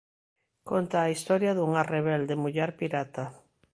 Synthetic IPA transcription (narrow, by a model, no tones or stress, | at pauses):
kont̪aːist̪ɔɾjaðuŋareβ̞ɛld̪emuʎɛɾpiɾat̪a